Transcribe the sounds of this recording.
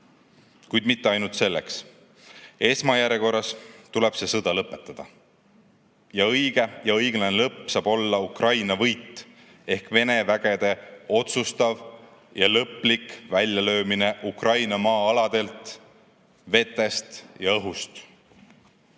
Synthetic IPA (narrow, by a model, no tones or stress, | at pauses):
kujd̪̥mit̪ːe̞ɑjnult̪se̞lːe̞̰ks | e̞smɑjæɾeko̞rːɑst̪uleb̥se̞sɤd̪̥ɑlɤpːˑe̞t̪ːˑɑd̪̥ɑ | jɑɤjɡ̥e̞jɑɤjɡ̥lɑnelɤpˑːsɑːb̥o̞lːɑukrɑjnɑvɤjt̪ːˑ | e̞hkve̞ne̞væɡ̥e̞d̪̥e̞o̞t̪sust̪ɑv | jɑlɤpːˑlikvælʲjɑlø̞ːmine̞ʔukrɑjnɑmɑːɑlɑd̪̥e̞lt̪ | ve̞t̪ːˑe̞st̪jɑɤɦust̪